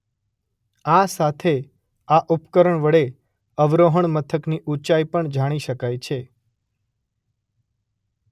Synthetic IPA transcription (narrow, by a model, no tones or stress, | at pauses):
asat̪ʰe | aʔupkəɾəɳʋəɽe | əʋɾoɦəɳ̃mət̪ʰəkniʔut͡ʃajpəɳd͡ʒaɽ̃iʃəkajt͡ʃʰe